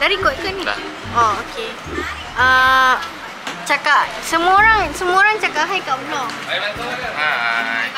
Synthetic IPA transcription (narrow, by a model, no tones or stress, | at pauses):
daɾikɔt̪̚kani | ooke | ə | t͡ʃakaʔ | səmuoɾaŋsəmuoɾaŋt͡ʃakaʔɦajkaʔbəlɔŋ